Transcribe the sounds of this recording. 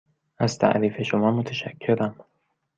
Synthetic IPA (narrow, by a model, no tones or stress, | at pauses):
ʔæz̥t̪ʰæ̰ʔɾiːfe̞ʃomɒːmot̪ʰæʃækʰːe̞ɾæm